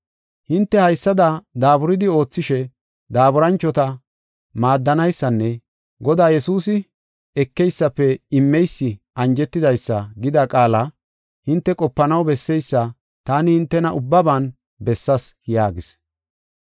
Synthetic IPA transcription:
hɪnt̪ːɛhɐjsːɐd̪ɐd̪aːbʊɾɪd̪ɪo̞ːt͡sːɪʃɛ | d̪aːbʊɾɐnt͡ʃːɔt̪ɐ | maːd̪ːɐnɐjsːɐnːɛ | ɡɔd̪aːjɛsuːs̬ɪ | ɛkːɛjsːɐpːɛɪmːɛjsːɪʔɐnd͡ʒɛt̪ːɪd̪ɐjsːɐɡɪd̪ɐkʼaːlɐ | hɪnt̪ːɛkʼɔpːɐnɐwbɛsːɛjsːɐ | t̪aːnɪhɪnt̪ːɛnɐʔʊbːɐbaːn | bɛsːɐsjaːɡɪs

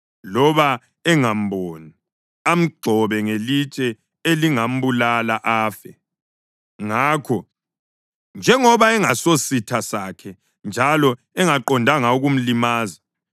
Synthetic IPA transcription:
lɔβa | ɛŋam̩bʱoni | am̩ɡ͡ǃʱɔβɛŋelit͡ʃʼɛ | eliŋam̩bulalaʔaːfɛ | ŋaːkʰɔ | nd͡ʒʱɛŋɔβaɛŋasositʰasakʰɛ | nd͡ʒʱalɔ | ɛŋaǃɔndʱaŋauɣum̩limaːza

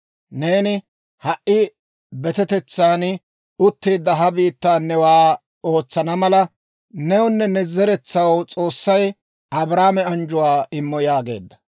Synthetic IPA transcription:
neːnɪ | hɐʔɪ | bɛt̪ɛt̪ɛt͡sːaːn | ʊt̪ːiːd̪ːɐɦɐbiːt̪ːaːnɛwaː | o̞ːt͡sːɐnɐmɐlɐ | nɛwʊnːɛnɛzɛɾɛt͡sːɐwt͡sʼo̞ːsːɐj | ʔɐbɾaːmɛɐnd͡ʒʊwaːɪmːɔjaːɡe̞̰ːd̪ːɐ̥

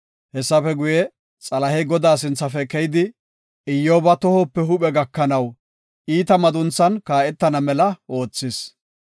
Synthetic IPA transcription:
hɛsːɐfɛɡʊjɛ | t͡sʼɐlɐhɛɡɔd̪aːs̬ɪnt͡sːɐfɛkɛjd̪ɪ | ɪjːoːbɐt̪ɔhɔpːɛɦʊɓɛɡɐkːɐnɐw | ʔiːt̪ɐmɐd̪ʊnt͡sːɐnkaːʔɛt̪ːɐnɐmɛlɐʔo̞ːt͡sːɪs

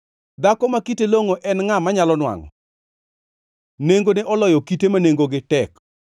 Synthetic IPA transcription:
d̪akɔmakiteloŋoʔɛnŋamaɲalɔnwa̰ŋɔ̰ | neŋɡoneʔɔlɔjɔkitemaneŋɡoɡɪtɛk

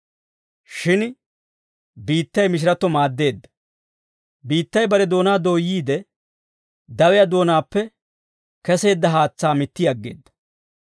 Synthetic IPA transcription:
ʃɪn | biːt̪ːɐjmɪʃ̬ɪɾɐt̪ːɔmaːd̪ːe̞ːd̪ːɐ | biːt̪ːɐjbɐɾɛd̪o̞ːnaːd̪oːjiːd̪ɛ | d̪ɐwɛjɐd̪o̞ːnaːpːɛ | kɛse̞ːd̪ːɐɦaːt͡sːaːmɪt̪ːɪɐɡːe̞̰ːd̪ːɐ̥

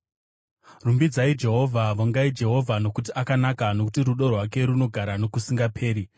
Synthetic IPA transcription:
rumbid͡zaid͡ʒe̞ɦo̞vʱaʋoŋɡaid͡ʒe̞ɦo̞vʱano̞kutiʔakanakano̞ku̥tiɾuɗo̞rwake̞ɾuno̞ɡʱaɾano̞kusiŋɡapʰe̞ːɾi

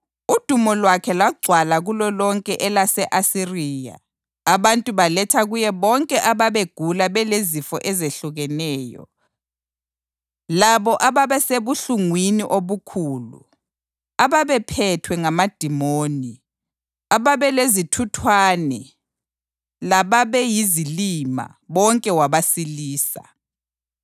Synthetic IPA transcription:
ud̥ʱumɔlwakʰɛlaɡ͡ǀʱwalaɣulɔlɔŋkʼɛʔɛlasɛʔasiriːja̰ː | βantʼuβalɛtʰaɣujɛβɔŋkʼɛʔaβaβeɡ̥ʱulaβɛlezifɔ̰ʔɛzeɬuɣɛnɛːjɔ̰ | laβɔʔaβaβɛseβuɬuŋwiniʔoβukʰuːlṵ | aβaβɛpʰɛtʰwɛŋamad̥ʱimoːni | aβaβɛlezitʰutʰwanɛ | laβaβɛjizilima̰ | βɔŋkʼɛwaβasiliːsa̰

